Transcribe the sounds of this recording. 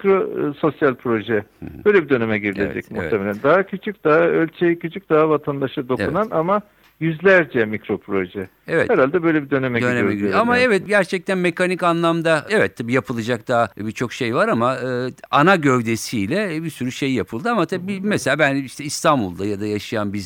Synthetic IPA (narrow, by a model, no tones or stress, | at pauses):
kɾoso̞sjalʲpʰɾo̞ʒɛbø̞jlʲebid̪ø̞nemɛɟiɾilʲḛd͡ʒɛ̰cmṵvt̪ʰːemelʲænd̪aɦacʰyt͡ʃʰyc̚d̪aɦaølʲt͡ʃʰejicʰyt͡ʃʰyc̚d̪̥aɦavat̪ʰand̪aʃɯd̪o̞unanama | jyzlʲæɾd͡ʒɛmicɾo̞pʰɾo̞ʒɛ | evɛ̰hɛɾalʲd̪ɛbø̞jlʲɛbid̪ø̞nemɛd̪øneɛɟiamaevɛt̪̚ɟæɾt͡ʃʰɛc̚t̪ʰænme̞kʰanicanlˠamd̪aevɛt̪ʰːabiːjapʰɯlˠad͡ʒak̚d̪̥aɦabit͡ʃʰo̞kʃejvaɾamaɯːanaɟøvd̪e̞siːlʲɛbisyɾyʃe̞jːapʰɯlˠd̪ɯamat̪ʰabibimeselʲaːbæniʃt̪ʰɛist̪ʰanbulˠd̪ajad̪ajaʃɯjanbiz